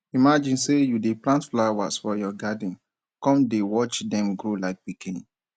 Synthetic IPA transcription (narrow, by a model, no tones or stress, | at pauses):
imad͡ʒĩnsejudeplãntflawa̰sfɔjɔɡadĩn | kɔ̃mdewɔt͡ʃdɛ̃mɡɾolaɪk̚bikinĩ